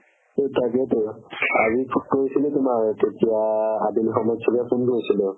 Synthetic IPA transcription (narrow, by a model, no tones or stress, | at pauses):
totakɛtʊazikoɹisilɛtʊmaɹtetijaadinxɔmɔjtsʰɔkapʰunkoɹisilʊ